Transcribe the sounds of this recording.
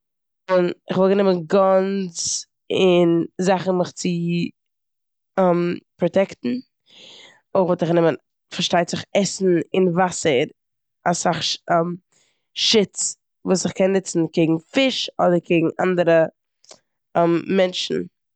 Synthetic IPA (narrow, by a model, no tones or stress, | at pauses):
ʊnɪχvɔlˠɡənɪmənɡant͡s | ɪnzaχn̩mɪχt͡sɪ | ɛmpɾɔtɛktn̩ | oχvɔlˠtɪχɡənɪmən | faɾʃtaɪtzɪχɛsn̩ɪnvasəɾ | asaχɛm | ʃɪt͡s | vuːsɪχkɛnːɪt͡sn̩keɪɡŋ̩fɪʃɔdəɾkʰeɪɡŋ̩ʔa̰ndəɾə | ɛmmɛnʃn̩